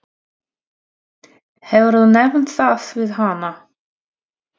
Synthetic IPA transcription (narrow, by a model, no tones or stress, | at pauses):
hɛvɾðunɛvn̥t̪θaðvɪðɦana